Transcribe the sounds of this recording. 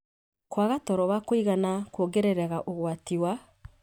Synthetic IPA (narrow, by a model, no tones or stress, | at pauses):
kwaɣatɔɾɔβakoiɣanakwoɡeɾeɾaɣaʔoɣwatiwa